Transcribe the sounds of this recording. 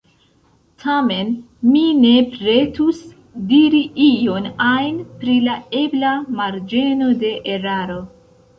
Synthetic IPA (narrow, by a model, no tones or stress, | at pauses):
tʰame̞n | mine̞pɾe̞tus | diɾiʔijo̞najnpɾilae̞blamaɾd͡ʒe̞no̞de̞ʔeɾaɾo̞